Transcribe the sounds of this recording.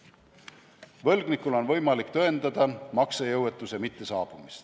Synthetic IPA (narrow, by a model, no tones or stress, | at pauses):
vɤlɡ̥nikːˑulo̞nvɤ̞jmɑlikt̪øend̪̥ɑd̪̥ɑmɑksejɤwet̪ːˑusemit̪ːe̞sɑ̰ːb̥umist̪